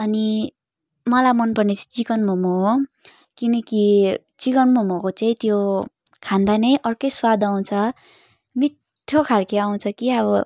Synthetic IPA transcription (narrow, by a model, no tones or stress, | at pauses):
ʌni | mʌlamʌnpʌrnet͡saĩt͡sikʌnmomoɦo | kinʌki | t͡sikʌnmomokot͡saĩt̪jo | kʰand̪anʌjʔʌrkʌjswad̪aw̃t͡sʰʌ | mi | ʈʰːokʰalkeaw̃t͡sʰʌkiʌβʌ